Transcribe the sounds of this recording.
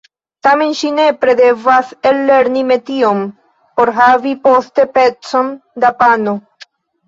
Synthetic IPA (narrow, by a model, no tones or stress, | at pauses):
t̪amenʃinepɾeðevaselːeɾnimet̪iom | poɾɦavipost̪epet͡sond̪apano